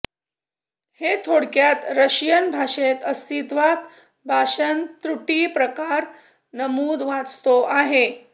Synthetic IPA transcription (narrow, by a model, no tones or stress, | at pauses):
het̪ʰoɽkjat̪ɾəɕjənbʱaʂet̪əst̪ʰit̪ʋat̪ | bʱaʂənt̪ɾuʈipɾəkaɾ | nəmuːd̪ʋat͡st̪oʔaɦe